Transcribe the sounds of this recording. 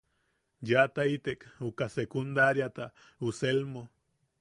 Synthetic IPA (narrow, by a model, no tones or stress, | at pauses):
jat̪ait̪ekukasekund̪aɾjat̪a | uselmo